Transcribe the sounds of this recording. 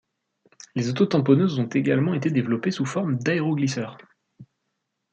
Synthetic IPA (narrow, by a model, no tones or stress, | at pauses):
lezot̪ot̪ɑ̃pɔnøzɔ̃t̪eɡalmɑ̃et̪ed̪evlɔpesufɔʁmd̪aeʁoɡlisœːʁ